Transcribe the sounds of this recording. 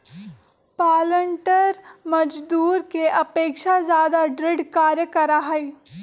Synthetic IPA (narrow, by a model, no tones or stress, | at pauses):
paːləɳʈəɾmɐd͡ʒd̪uːɾkeʔɐpeːkʃazjaːd̪aɖɾɪɖkaːɾjəkɐɾaɦɐi